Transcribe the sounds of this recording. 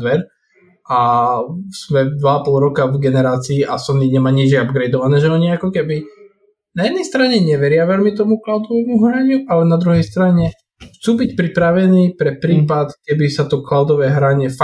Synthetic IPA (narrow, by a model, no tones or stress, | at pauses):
ʋɛɾ | ʔa | z̥mɛd̪ʋaːpɔlˠɾɔkavɡɛnɛɾaːt͡siːʔasɔniɲɛmaːɲid͡ʒjɛabɡɾɛjd̪ɔʋanɛːʒɛɔɲɛakɔkɛbi | najɛd̪nɛjst̪ɾaɲɛɲɛʋɛɾɪaʋɛlmit̪ɔmuklaʊd̪ɔʋɛːmuɦɾaɲuʔalɛnad̪ɾuɦɛjst̪ɾaɲɛ | xt͡suːbicpɾipɾaʋɛniːpɾɛpɾiːpat̪kɛbisat̪ɔklaʊd̪ɔʋɛːɦɾaɲɛfa